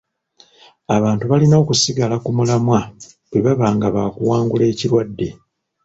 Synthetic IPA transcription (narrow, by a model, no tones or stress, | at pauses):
aβaːntuβalinaːkusiɡalakumulamwa | bweβaβaːŋɡaβaːkuwaːŋɡule̞ːciɾwadːe̞